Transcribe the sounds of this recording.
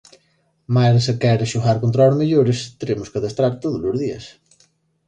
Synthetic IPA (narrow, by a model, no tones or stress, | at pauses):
masekɛɾʃuɣaɾkont̪ɾaozmeʎoɾest̪eɾemoskaðest̪ɾaɾt̪oðozlozðia̰s